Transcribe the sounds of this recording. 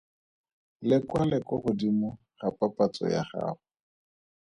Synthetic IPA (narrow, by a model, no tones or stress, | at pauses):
lɪkwalɛkɔχʊdimʊ | χapapat͡sɔ̰ja̰χa̰ːχʊ